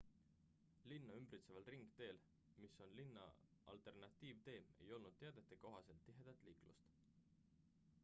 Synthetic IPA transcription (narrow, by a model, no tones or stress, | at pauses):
linːɑymbrit̪se̞vɑlriŋɡ̥t̪e̞ːl | miso̞nlinːɑ̰ | ʔɑ̰lt̪ˑe̞rnɑt̪ʲˑːiːvt̪e̞ːme̞̰jo̞lnud̪̥t̪ːeɑd̪̥e̞t̪ːˑeko̞ɦɑse̞lt̪ːiɦe̞d̪̥ɑt̪ːˑliːklṵst̪